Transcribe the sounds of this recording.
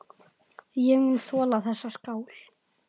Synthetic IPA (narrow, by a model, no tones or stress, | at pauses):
jɛminθɔːlaθɛsːaskaːwl